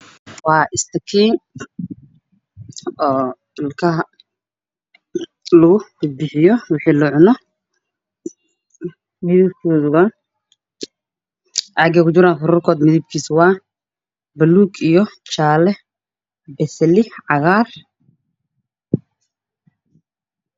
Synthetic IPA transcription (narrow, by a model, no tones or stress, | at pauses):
wɑːʔɪst̪ʰɐkʰiːn | ɔː | lkʰɐ | lɐɣʊbɪd̪̚bɪħɪjɔwɑħiːlʊʕʊnɔ | mɪðɪb̚kʰɔːðwaː | ʔaɡɐkʰʊt͡ʃɪɾaːnfʊɾuːrkʰɔːd̪mɪðɪb̚kʰiːswɑː | bɐluːɡijɔt͡ʃaːlɛ | bɛsɛlɪʕɑɣaːr